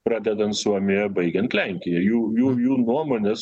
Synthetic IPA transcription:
pɾɑːd̪ʲɛd̪ɐnt̪suɔmʲɪjɛbɐɪɡʲɛnt̪lʲæŋʲkʲɪjɛjuːjuːjuːnuɔmoːnʲɛs

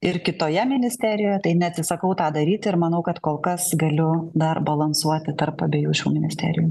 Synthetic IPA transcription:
ɪrkʲɪt̪oːjɛmʲɪnʲɪsʲt̪ʲæːɾʲɪjoːjɛt̪ɐɪnʲɛɐt̪ʲsʲɪsɐkɐʊt̪ɑːd̪ɐɾʲiːt̪ʲɪɾmɐnɐʊkɐt̪koːlˠkɐsɡɐlʲʊd̪ɐrbɐlˠɐnsuɔt̪ʲɪt̪ɐrpɐbʲeːjuːʃʲuːmʲɪnʲɪsʲt̪ʲæ̰ːɾʲɪ̰juː

